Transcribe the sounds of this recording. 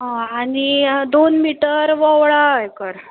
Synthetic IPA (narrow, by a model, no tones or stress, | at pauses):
ɦãaɽ̃id̪onmiʈəɾʋɔʋɭajkəɾ